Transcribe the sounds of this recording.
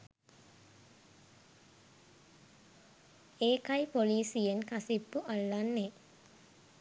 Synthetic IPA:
eːkajpoliːsijenkasipːuʔalːanːe

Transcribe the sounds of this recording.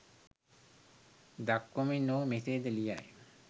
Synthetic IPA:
d̪akːominowmet̪ed̪elija̰j

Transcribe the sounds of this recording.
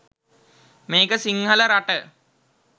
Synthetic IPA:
meːkəsiŋɦələɾaʈə

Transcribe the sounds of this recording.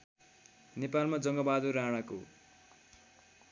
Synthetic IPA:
nepalmad͡zʌŋɡʌbad̪uɾaɽ̃ako

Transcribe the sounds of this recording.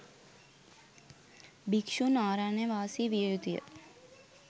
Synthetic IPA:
bikʃunaːɾaneʋaːsiʋijut̪ijə̰

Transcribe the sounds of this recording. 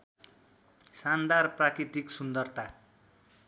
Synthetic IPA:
sand̪arprakrit̪iksund̪ʌrt̪ʰa

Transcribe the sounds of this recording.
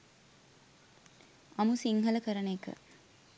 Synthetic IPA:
ɐmusiŋɦɐlɐkɐɾɐnekːɯ̰

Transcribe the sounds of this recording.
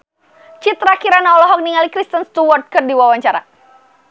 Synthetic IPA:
t͡ʃit̪ɾakiɾanaɔlɔɦɔk̚niŋalikɾist̪ənst̪uwɔrt̪̚kərdiwawaɲt͡ʃaɾa̰

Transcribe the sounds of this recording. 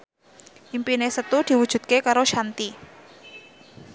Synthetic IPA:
ʔimpinesət̪ud̪̥i̤wud̥ʒ̥ṳt̪̚kekaɾoʃant̪i

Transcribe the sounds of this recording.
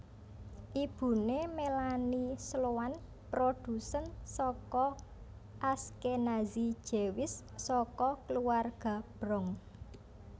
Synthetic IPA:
ʔib̥ṳnemelanisloan | pɾod̪̥ṳsənsɔkɔ | ʔaskenazi̥ʒ̥e̤wɪsː | ɔkɔkluwarɡ̥a̤b̥ɾɔŋ

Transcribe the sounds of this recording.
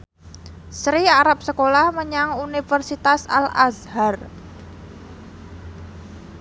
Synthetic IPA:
sɾiaɾap̚səkolahməɲaŋunifərsit̪asa̰la̰zhar

